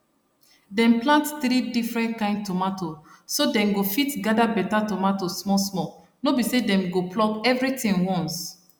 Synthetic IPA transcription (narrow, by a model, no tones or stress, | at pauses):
dɛ̃mplãntθɾidifɹɛ̃ntkãɪ̃ndtɔmatosodɛ̃nɡofitɡadabɛtatɔmatosmɔsmɔ | nobisedɛ̃mɡoplɔkɛvɾitĩŋwɔ̃ns